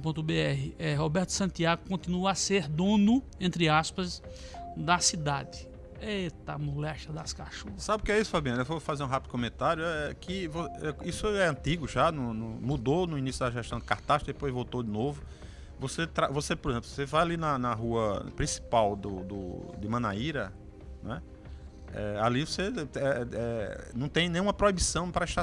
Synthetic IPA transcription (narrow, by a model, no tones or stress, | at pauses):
põt̪ʊbeɛɦɪʔɛɦobɛɾt̪ʊ̥sɐ̃t̪iaɡʊkõnt̪ĩnuɐaseɾd̪õnʊẽnt̪ɾɪaspɐz | d̪ɐsid̪ad̪ɪ | et̪amolɛʃɐd̪ɐskaʃusabɪʊkɪɛisʊ̥fabĩɐ̃newvofazeɾũɦapid̪ʊkõmẽnt̪aɾjʊɛɛkʰɪvoɛisʊɛɐ̃nt̪iɡʊʒanũnũmud̪onʊinisjʊd̪ɐʒɛʃt̪ɐ̃w̃d̪ɪkaɾt̪aʃt̪d̪epojzvowt̪od̪ɪnovʊ | voset̪ɾavosepoɾezẽplʊ̥osevajalinɐnɐɦuɐpɾĩsi̥pawd̪ʊd̪ʊ̰d̪ɪmɐ̃naiɾɐ | nw̃ɛ | ɛ̰alivoseɛɛnɐ̃w̃t̪ẽj̃nẽj̃ũm̃ɐpɾoibisɐ̃w̃pɾɐiʃt̪a